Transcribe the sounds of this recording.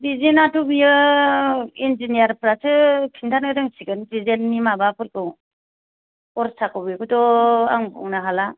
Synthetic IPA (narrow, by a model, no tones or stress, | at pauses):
bizinatʰubijɯ | ind͡ʒinijaɾpʰɾasɯkʰintʰanɯɾɯŋsiɡɯndizenːimabapʰɯɾkɯw | ɔɾsakɯbikɯtɔa̰ŋbɔ̰ŋnaɦala